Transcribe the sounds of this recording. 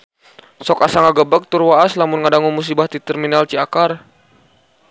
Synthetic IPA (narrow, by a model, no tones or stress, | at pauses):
sɔkasaŋaɡəbək̚t̪urwaaslamʊnŋadaŋumus̬ibaht̪it̪ɛrminalt͡ʃiakar